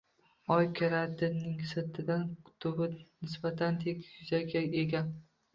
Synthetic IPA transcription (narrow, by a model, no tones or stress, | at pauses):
ɒjkʲʰaɾad̪ɪnːɪŋsɪt̪ʰɪd̪ant̪ʰʊbɪnɪsbat̪ʰant̪ʰekʲjʊzaɡʲaeɡʲa